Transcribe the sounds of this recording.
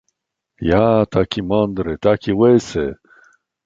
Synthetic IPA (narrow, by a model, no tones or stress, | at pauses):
jat̪akʰimand̪ɾet̪akiwese